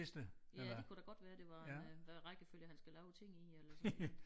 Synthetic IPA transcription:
esd̥əe̥kʰuɾ̥æɡ̥ɒ̽d̥ʋæːɐd̥e̝ʋɑ̈ʋæʁaɡ̥əføljəhænsɡ̥ælɛʊt͡sʰe̝ŋ̰ielɐs

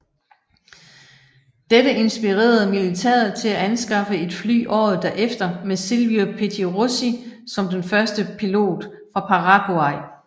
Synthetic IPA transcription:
d̥eɾəʔe̝nsb̥iʁḛːɐð̩ˠmilit͡sʰæ̰ɐð̩ˠt͡sʰe̝læænsɡ̥ɑ̈fəe̝d̥fly̰ːʔɒ̰ːð̞̩ˠd̥æɐʔefd̥ɐmesilʋiopʰet͡sʰiʁosisɒ̽md̥enfɶɐsd̥əpʰilo̝̰ːd̥ | fʁɑ̈pʰɑ̈ʁɑ̈ɡ̥oɑ̈ɪ̰

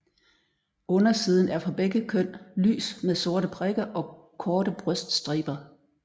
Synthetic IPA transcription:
ʔɔ̽nɐsiːð̞ˠn̩æɐfɒ̽b̥eɡ̥əkʰøn̰ly̰ːsmeðˠso̝ɐɾəpʰʁeɡ̥ɐʔɒ̽ | kʰɒːɾ̥əb̥ʁœsd̥sd̥ʁḭːb̥ɐ

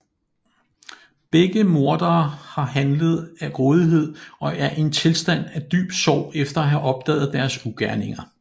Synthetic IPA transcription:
b̥eɡ̥əmo̝ɐd̥ɐːhɑ̈ɦænləð̞ˠæɡʁɔ̽ːð̞ˠiɦe̝ð̰ˠɒ̽æɐʔe̝nt͡sʰe̝lsd̥æn̰æd̥y̰ːb̥sɒʊ̰efd̥ɐæɦæʔɒ̽b̥̚d̥ɛ̰ːð̞̩ˠd̥æɐsuɡ̥æɐne̝ŋɐ

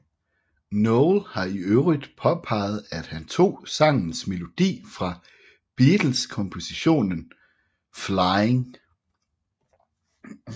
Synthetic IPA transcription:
nɔʊlhɑ̈iøʊʁid̥pʰɒ̽pʰɑ̈ɪð̞̩ˠæd̥hænt͡sʰo̝̰ːsɑ̈ŋ̰n̩sme̝lo̝d̥ḭːfʁɑ̈ | b̥iːd̥l̩skʰɒ̽mpʰo̝siɕo̝̰ːnən | flɑɪeŋ

